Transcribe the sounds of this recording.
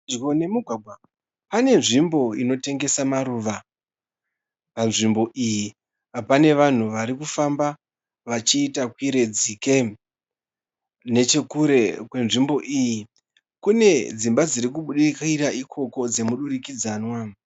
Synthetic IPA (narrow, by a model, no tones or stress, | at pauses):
ɡone̞muɡʱwaɡʱwa | pane̞nʐimbo̞ino̞te̞ŋɡe̞samaɾuʋa | panʐimbo̞ʔiji | apane̞ʋan̤uʋaɾikufamba | ʋat͡ʃiːtakwiɾe̞d͡zike | ne̞t͡ʃe̞kuɾe̞kwe̞nʐimbo̞ʔiji | kune̞d͡zimbad͡ziɾik̬uɓuɗikiraʔikʰo̞ko̞d͡ze̞muɗurikid͡zaːnwa